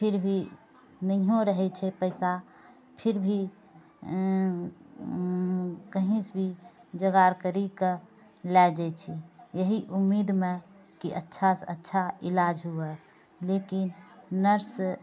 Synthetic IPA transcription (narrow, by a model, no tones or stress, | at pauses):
pʰiɾbʱi | nəɦõɾəɦɛt͡ʃʰɛpəɪsa | pʰiɾbʱi | kəɦĩsbʱi | d͡ʒəɡaɾkəɾike | lad͡ʒɛt͡ʃʰijəɦiʔumːid̪me | kiʔətːʃʰasətːʃʰailad͡ʒɦuɛ | lekinnəɾs